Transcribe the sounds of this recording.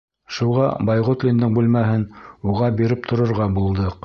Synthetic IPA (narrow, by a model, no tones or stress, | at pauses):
ʃuʁɑbɑjʁot̪lʲind̪ɘŋbʉlmæɦɘnuʁɑbiɾɘp̚t̪ʰŏɾŏɾʁɑbulˠd̪ɤq